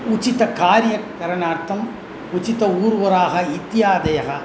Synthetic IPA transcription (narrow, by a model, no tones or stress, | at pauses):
ʊt͡ʃːɪt̪ːɐkaːɾɪjɐkːɐɾɐnaːɾt̪ɐm | ʊt͡ʃːɪt̪ːɐuːɾʋɐɾaːɣɐɪt̪ːɪjaːd̪ɐjɐɣɐ